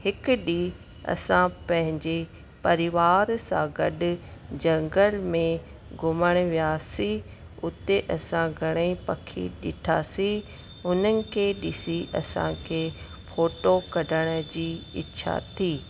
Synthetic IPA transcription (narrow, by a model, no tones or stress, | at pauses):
hɪkʊɗiː | ɐ̰sãpɐ̃ɦɪ̃ɲd͡ʑe | pɐɾɪʋaːɾsã̰ːɡɐɗʊ̆d͡ʑɐ̃ŋɡəlmẽ | ɡʱʊməɽ̃ʋijaːsi | ʊt̪eʔɐsãɡʱɐɽ̃epɐkʰḭɗɪʈʰa̰ːsi | ʊnənɪ̆kʰeːɗɪsiʔɐ̰sã̰kʰeː | fʰoːʈokɐɖʱəɽ̃d͡ʑiːɪ̰ːɕʰa̰t̪ʰiː